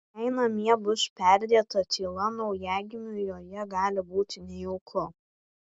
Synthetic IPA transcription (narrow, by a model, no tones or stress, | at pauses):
ɛɪnɐmʲiɛbʊʃpʲæˑɾʲd̪ʲeɛt̪ɐt̪ʲʰiːlˠɐnɒʊjæːɡʲɪmʲʊjoːjɛɡɑːlʲɪbuːt̪ʲɪnʲɛjɛʊkʰʊ